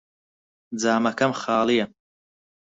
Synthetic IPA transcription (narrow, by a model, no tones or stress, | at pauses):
d͡zaːmɐkʰɐmχaːlˠijɐ